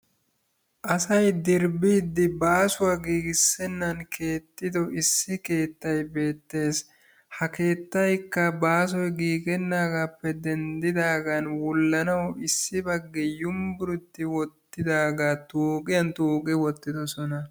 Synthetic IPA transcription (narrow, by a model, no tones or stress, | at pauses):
ʔɐsɐjd̪ɪɾbid̪ːɪbaːsʊwaɡiːɡɪsːɛnːɐnke̞ːt̪ːɪd̪ɔʔɪsːɪke̞ːt̪ːɐjbe̞ːt̪ːe̞ːs | hɐke̞ːt̪ːɐjkːɐbaːs̬ɔjɡiːɡɛnːaːɡaːpːɛd̪ɛnd̪ɪd̪aːɡanwʊlːɐnɐwɪsːɪbɐɡːɛjʊmbʊɾʊt̪ːɪwɔt̪ːɪd̪aːɡaːt̪uːkʼɪjɐnt̪uːkʼɪwɔt̪ːɪd̪ɔsɔnɐ